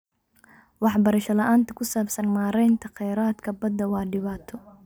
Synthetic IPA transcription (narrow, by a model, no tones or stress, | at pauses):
wɑħbɐɾɐʃɐlɐʔaːnt̪ʰɐkʰʊsaːbsɐnmaːɾɛjnt̪ʰɐqɛjɾaːd̪kʰɐbɐd̪ːɐwɑːɖɪβaːt̪ʰɔ